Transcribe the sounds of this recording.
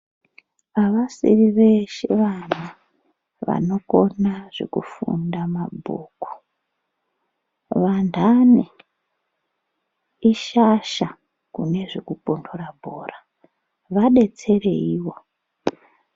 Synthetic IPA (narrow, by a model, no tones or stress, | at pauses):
aʋasḭriʋe̞ʃe̞ʋan̤a | ʋa̰no̞ko̞naʐ̥ḛkufṵndamabʱuːku̥ | ʋandane | iʃaʃa | kune̞ʐekupondʰorabʱoːra | ʋaɗe̞t͡se̞re̞̰iːwo̞